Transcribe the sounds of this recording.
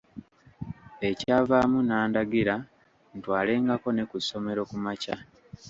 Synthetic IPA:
e̞caːvaːmunaːndaɡiɾa | ntwaːle̞ːŋɡako̞ne̞kuso̞me̞ɾo̞kumaca

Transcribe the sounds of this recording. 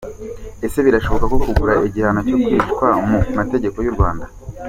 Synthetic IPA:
e̞se̞βiɾaʃo̞βo̞kako̞kuɡuɾaʔeɟihanoco̞kwiʃkwamumate̞ɟe̞ko̞juɾɡwaːnda

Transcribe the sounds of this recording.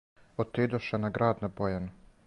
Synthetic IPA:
ot̪id̪oʃenaɡɾaːd̪nabojanu

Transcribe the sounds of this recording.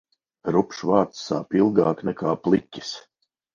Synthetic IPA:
ɾupʃvaːt̪sːa̰ːpilˠɡɑːknɛkaːplˠicʲːi̥s

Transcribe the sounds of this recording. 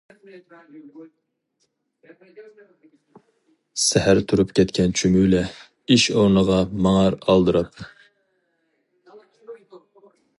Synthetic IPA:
sæhæɾt̪ʰuɾupkʲɛt̪kʲʰɛnt͡ʃʰymylɛ | iʃoɾnəʁɑmɑŋɑɾɑlˠd̪ɨɾɑp

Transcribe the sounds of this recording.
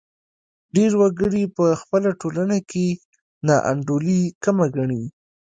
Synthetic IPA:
ɖeɾwaɡəɽipəxpəlaʈolanakʰe | nɑʔa̰ɳɖolikamaɡaɳi

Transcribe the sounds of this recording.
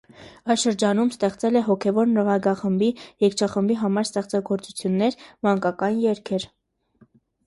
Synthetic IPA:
ɑjʃəɾd͡ʒɑnumst̪ɛχt͡sɛlɛɦɔkʰɛvɔɾnəʁɑɡɑχəmbijɛkʰt͡ʃʰɑχəmbiɦɑmɑɾst̪ɛχt͡sɑɡɔɾt͡sut͡sʰjunːɛɾmɑŋkɑkɑnjɛɾkʰɛɾ

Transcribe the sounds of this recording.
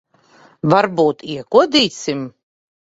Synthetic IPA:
vaɾbuːt̪iɛkuɔd̪iːt̪sʲim

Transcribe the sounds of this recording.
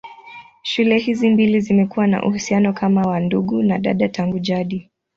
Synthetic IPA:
ʃulɛhizimbilizimɛkuwana̰ʔṵhusianɔkamawanduɠunaɗa̰ɗataŋɡuʄaɗi

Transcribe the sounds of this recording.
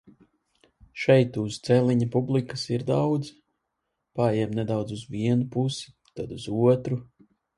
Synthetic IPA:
ʃɛjt̪ust̪sɛlʲˠiɲapublˠikəsiɾd̪awd̪z | pajɛmnɛd̪awd̪zuzviɛnupusi̥ | t̪ad̪uzuɔt̪ɾu

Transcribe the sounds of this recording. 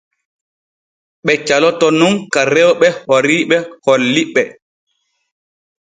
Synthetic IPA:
ɓɛt͡ʃalɔtɔnuŋkaɾɛwɓɛhoɾiɓɛholːiɓɛ

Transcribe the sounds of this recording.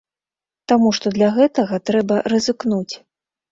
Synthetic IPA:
t̪amuʂt̪ɔd̪lʲɐɣɛt̪ɐɣɐt̪ɾɛbɐrɐzɨknut͡sʲ

